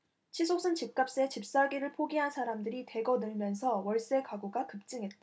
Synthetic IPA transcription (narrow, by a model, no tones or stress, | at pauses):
t͡ɕʰisʰosʰɯnt͡ɕip̚k͈ap̚s͈et͡ɕip̚s͈aɡiɾɯɭpʰoɡiɦansʰaɾamdɯɾite̞ɡʌnɯɭmjʌnsʰʌwʌɭs͈e̞kaɡuɡakɯp̚t͡ɕ͈ɯŋɦe̞t̚t͈a